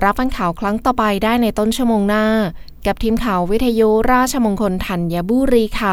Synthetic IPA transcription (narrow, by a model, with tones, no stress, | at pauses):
ɾa˦˥p̚wa˧nkʰaː˩˦wkʰɾa˦˥ŋt̪ɔː˨˩pa˧jdaː˥˩jna˧jt̪o˥˩nt͡ɕʰu˥˩əmoː˧ŋnaː˥˩ | ka˨˩p̚t̪ʰiː˧mkʰaː˩˦wwːi˦˥t̪ʰːa˧ju˦˥ɾaː˥˩t̚t͡ɕʰa˧mo˧nkʰo˧nt̪ʰa˨˩nja˧buː˧˥˩ɾiː˧˥kʰa˧˥˩